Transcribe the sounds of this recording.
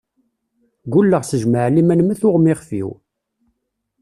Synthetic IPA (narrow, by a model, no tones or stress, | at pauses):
ɡʷʊlːəʁsəʒməʕlimænmæθʊʁmɪʁfḭw